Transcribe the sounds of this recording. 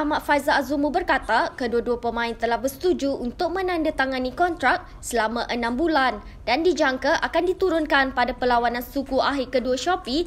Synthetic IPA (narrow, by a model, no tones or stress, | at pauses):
ahmat̪fajzaazumubərkat̪akəduaduapəmãɪnt̪əlahbəst̪ud͡ʒuunt̪ʊk̚mə̃nãndat̪aŋãnikɔnt̪ɾak̚ | səlamãʔənãmbulan | dandid͡ʒaŋkaʔakandit̪uɾʊnkanpadapəlawanãnsukuʔaɦikəduaʃɔpi